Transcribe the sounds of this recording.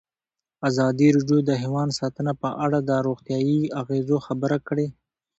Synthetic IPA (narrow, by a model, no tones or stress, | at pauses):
azɑd̪iɾɑɖjod̪əɦewɑnsɑt̪ənapəʔaɽad̪əɾoɣt̪jɑjiaɣezoxabəɾakɽe